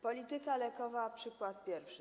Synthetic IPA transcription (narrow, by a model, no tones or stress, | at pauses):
pɔlʲit̪ɘkalɛkɔvapʂɘkwat̪̚pʲjɛɾfʂɘ